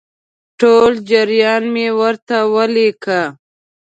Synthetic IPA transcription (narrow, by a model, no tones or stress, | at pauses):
ʈold͡ʒəɾjɑːnmewəɾt̪awəlekʰa